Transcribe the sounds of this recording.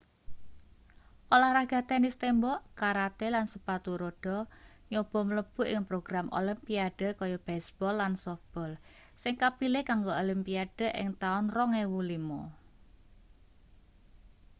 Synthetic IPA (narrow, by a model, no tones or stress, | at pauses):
ʔolahɾahɡ̥a̤t̪ɛnɪst̪embɔʔkaɾat̪elansəpat̪uɾoɖ̥ɔ̤ | ɲob̥ɔ̤mələb̥ṳʔɪŋpɾoɡ̥ɾamʔo̰limpiaɖ̥ə̤kɔjɔb̥ɛsb̥ɔlːansɔfb̥ɔl | sɪŋkapilɪkaŋɡoolimpiaɖ̥ə̤ʔɪ̰ŋt̪aʊnrɔŋewulimɔ